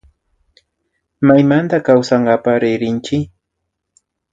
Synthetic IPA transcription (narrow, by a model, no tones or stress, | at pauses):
majmant̪akawsaɴɢɑpaɾɪɾɪnt͡ʃɪ